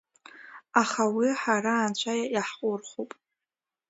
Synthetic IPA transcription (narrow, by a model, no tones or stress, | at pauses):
aχawiħaɾaːnt͡ɕʷʰajajaħqʷʼʊrχopʼ